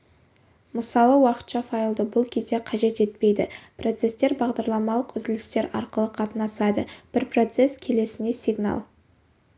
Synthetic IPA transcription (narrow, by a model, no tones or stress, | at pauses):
məsɑlˠəwɑqə̥t̪ʃɑfajlˠd̪əbʊlˠkʲʰe̞zd̪e̞qʰɑʒe̞t̪e̞t̪̚pe̞jd̪ɪpro̞t̪se̞st̪e̞ɾbɑʁd̪ɑɾlˠɑmɑlˠəqʏzd̪ɪlɪst̪e̞ɾɑ̰ɾqəlˠəqʰɑt̪ənɑsɑd̪əb̥ɪɾpro̞t̪se̞skʲʰe̞le̞sɪne̞sʲiɡna̰lˠ